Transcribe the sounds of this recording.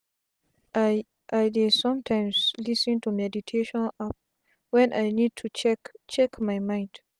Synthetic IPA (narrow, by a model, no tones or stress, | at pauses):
ʔajdesãmtʰãjmslisɛ̃ntumɛditʰeʃɔ̃nap̚ | wɛ̃nʔajnid̚tʰut͡ʃɛkt͡ʃɛkmajmãj̃nd